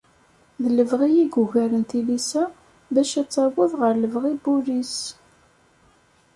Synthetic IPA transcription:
ðləvʁijiɡʊʝæɾənt̪ilisæ | bæʃæt͡sːæwəðʁəɾləvʁibulis

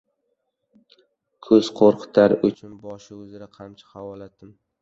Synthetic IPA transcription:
kʰɵz̥qʰoɾqʰɨ̥t̪ʰaɾʊt͡ʃʰʊnbɒʃɪɵzɪɾaqʰamt͡ʃʰḁhawɒlat̪ɪm

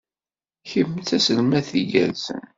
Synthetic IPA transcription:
çəmːθæsəlmæθiɡæ̰lsə̰n

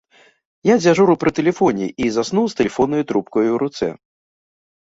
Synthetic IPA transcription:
jad͡zʲaʐuɾupɾɨt̪ɛlʲɛfɔnʲiʔizasnuwst̪ɛlʲɛfɔnːɔjut̪ɾupkɔjuwɾut̪sɛ̰

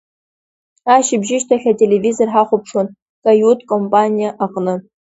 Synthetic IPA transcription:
aːʃɪbʒɪʃtʰɐɬʲɐtʲʼelevizorħaːχʷʊpʰʂwɔn | kʼɐjutʰʼkʼompʼanʲijɐʔaqʼnɨ

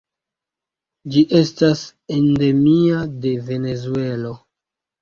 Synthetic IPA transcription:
d͡ʒiʔe̞stasende̞miade̞ve̞ne̞zue̞lo̞

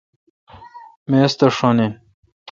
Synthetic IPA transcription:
mest̪ɐʂonen

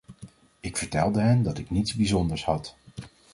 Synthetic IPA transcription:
ɪkfəɹtɛlˠdəɦɛndɑtɪknitzbizɔndəɹshɑt

